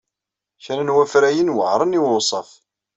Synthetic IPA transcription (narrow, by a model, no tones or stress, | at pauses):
çɾənwæfɾæjənwə̰ʕɾˤəniwʊsˤɑ̰f